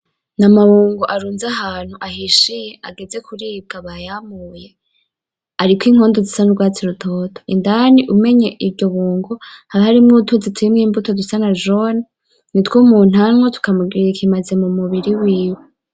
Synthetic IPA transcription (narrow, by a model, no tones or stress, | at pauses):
namaβuːŋɡoʔaɾuːnzaɦaːn̥huʔaɦiʃijeaɡeze̞kuɾiːb̚ɡaβajamuje̞ | aɾikwiːŋ̥hoːndozisanuɡwaːt͡siɾutʰoːtʰo̥indaniʔume̞ɲe̞ʔibɟo̞βuːŋɡohaɾihaɾimŋutʰuːnzitʰiimŋiːmbutodusanaʒoni | nitwuːmuːn̥amŋotu̥kamuɡiɾekʰimaze̞mumuβiɾiwiːwe